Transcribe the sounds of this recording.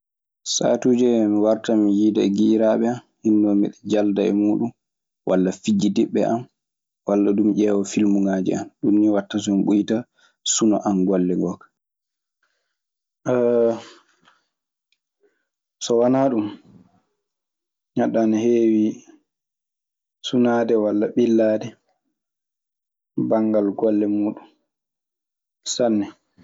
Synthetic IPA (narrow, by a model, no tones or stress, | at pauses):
sa̰ːtuːd͡ʒɛmiwaɾtamijidaɡiɾaɓɛam | hinːɔmḭɗɛd͡ʒaldaɛ̰muːɗum | wʔalːafid͡ʒːidiɓːɛ̰ʔam | walːaɗumʔɛːwɔfilmuŋad͡ʒɛ̰anɗumniwatːas̬ɔmiɓujta | sunɔʔanɡɔlːɛŋɡɔkḁ | sɔwanaɗum | ɲaɗːanahewi | sunadɛwalːaɓilːaːdɛ | baŋɡalɡɔlːɛmuːɗum | sanːɛ